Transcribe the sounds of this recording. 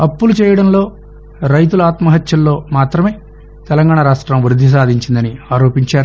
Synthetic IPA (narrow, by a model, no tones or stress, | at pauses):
ɐpːulut͡ʃɛːjɐɽɐnlo̞ː | ɾɐjt̪̬ulaːt̪mɐɦɐt̪jɐlːo̞ːmaːt̪ɾɐme̞ː | t̪ɛlɐŋɡaːɳɐɾaːʂʈɾɐmʋɾud̪ʱːis̬aːd̪ʱiɲt͡ʃind̪ɐniaːɾo̞ːpiɲt͡ʃaːɾu